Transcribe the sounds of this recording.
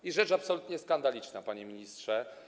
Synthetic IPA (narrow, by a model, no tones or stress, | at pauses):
iʐɛt͡ʂapsɔlut̪ɲɛskand̪alʲit͡ʂnapaɲemʲiɲistʂɛ